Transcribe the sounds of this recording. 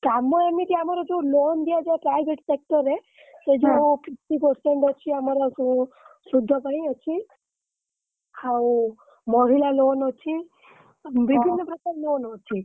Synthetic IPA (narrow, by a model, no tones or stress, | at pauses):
kamoemit̪iamaɾad͡ʒolond̪iad͡ʒaepɾajʋeʈsek̚ʈəɾe | sed͡ʒopiʈipəɾseɳʈət͡ʃʰiəmaɾa | sud̪ʱːəbaĩət͡ʃʰi | aw | mɔɦilalonɔt͡ʃʰi | bɾibʱinːəpɾəkaɾlonɔt͡ʃʰi